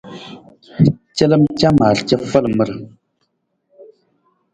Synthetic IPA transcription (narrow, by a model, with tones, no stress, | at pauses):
t͡ʃə˦lə˦mt͡ʃa˦ma˨lt͡ʃə˦fə˦lə˨mə˦˨ɾə˨